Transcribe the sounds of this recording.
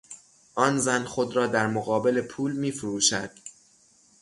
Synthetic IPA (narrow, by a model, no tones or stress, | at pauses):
ʔɒːnzænxo̞d̪ɾɒːd̪æɾmoɣɒːbe̞le̞pʰuːlmiːfuɾuːʃæd̪̥